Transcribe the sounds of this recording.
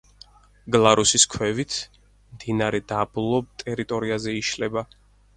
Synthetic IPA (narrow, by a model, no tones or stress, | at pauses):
ɡlˠaɾusiskʰwɛvit̪ʰ | md̪̥inaɾɛd̪ablˠɔb̚t̪ʼɛɾit̪ʼɔɾiazɛiʃlɛba